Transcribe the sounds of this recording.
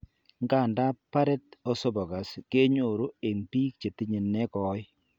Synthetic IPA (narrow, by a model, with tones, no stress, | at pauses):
ŋka˦˨nda˦pa˦ɾɛ˦tɔ˦so˦bɔ˨ɡa˨ske˦ɲo˨ɾo˦e˨ŋpi˦k̚t͡ʃe˨tɪ˦ɲe˨nːɛ˦kɔ˨˦j